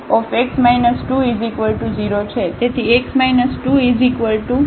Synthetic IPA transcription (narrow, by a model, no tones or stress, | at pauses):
ɔfeksmajnəsʈuizikʋəlʈud͡ʒiɾot͡ʃʰet̪et̪ʰieksmajnəsʈuizikʋəlʈu